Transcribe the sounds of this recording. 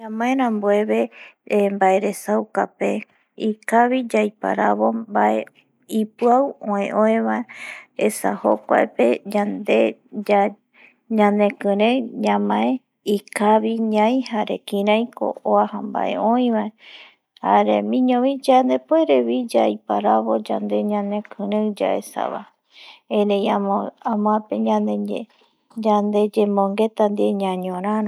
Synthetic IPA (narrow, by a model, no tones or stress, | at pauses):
ɲãmãẽɾãmboe̞βe̞mbaeɾe̞sawkape | ikaβid͡ʒajpa̰ɾaβo̞baʔe | ipɨawõẽʔõẽβaeesa̰ho̰kʷa̰epeɲand̪e | ɲãnd̪e̞kɨ̃ɾẽɲãmãẽ | ikaβiɲãij̃haɾekĩɾãjko̰ʔoahamba̰ʔḛʔõj̃βae | haɾemĩɲõβid͡ʒand̪epoeɾeβid͡ʒajpaɾaβo̞d͡ʒa̰nd̪e̞ɲãnẽkʰɨ̃ɾẽd͡ʒa̰ʔesa̰βa̰ | eɾejaamõapeɲãne | d͡ʒand̪e̞d͡ʒemõŋɡe̞t̪and̪ieɲãɲõɾ̃ãɾã